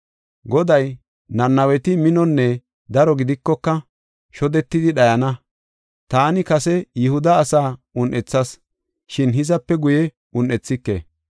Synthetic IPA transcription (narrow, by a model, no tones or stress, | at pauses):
ɡɔd̪ɐj | nɐnːɐwɛt̪ɪmɪnɔnːɛ | d̪ɐɾɔɡɪd̪ɪkːɔkːɐ | ʃɔd̪ɛt̪ːɪd̪ɪɗɐjɐnɐ | t̪aːnɪkɐsɛjɪhʊd̪ɐːsaːʊnʔɛt͡sːɐs | ʃɪnɦɪzɐpːɛɡʊjɛ | ʊnʔɛt͡sːɪkːḛ